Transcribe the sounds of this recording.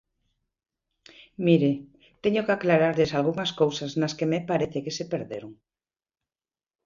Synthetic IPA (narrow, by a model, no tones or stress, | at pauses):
miɾɪ | t̪eɲʊkeaklaɾaɾʎesalɣuŋɐskowsaznaskemepaɾeθɪkesepeɾðḛɾoŋ